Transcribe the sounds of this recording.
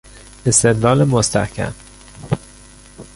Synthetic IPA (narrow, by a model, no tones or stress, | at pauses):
e̞st̪e̞d̪lɒːlemost̪æhcʰæ̰m